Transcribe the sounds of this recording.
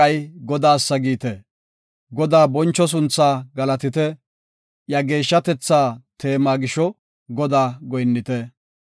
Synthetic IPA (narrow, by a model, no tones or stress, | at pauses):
ɐjɡɔd̪aːsːɐɡiːt̪ɛ | ɡɔd̪aːbɔnt͡ʃːɔs̬ʊnt͡sːaːɡɐlɐt̪ɪt̪ɛ | jɐɡe̞ːʃːɐt̪ɛt͡sːaːt̪ʰe̞ːmaːɡɪʃɔ | ɡɔd̪aːɡɔjnːɪt̪ɛ